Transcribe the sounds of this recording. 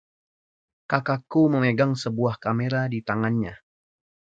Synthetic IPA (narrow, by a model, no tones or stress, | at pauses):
kakakuməmeɡaŋsəbuahkameɾadit̪aŋanɲa